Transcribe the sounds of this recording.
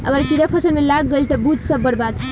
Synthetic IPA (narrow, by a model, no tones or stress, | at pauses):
ə̰ɡəɾpiɾəpʰəsənmelaɡːəlt̪ɔbud͡ʒʱsəbːəɽbad̪